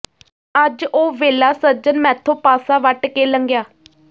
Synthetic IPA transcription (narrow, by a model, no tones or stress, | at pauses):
əd͡ʒoːʋeːlaːsəɾd͡ʒənmɛ̃ːt̪ʰoːpaːsaːʋəʈkeːləŋɡjaː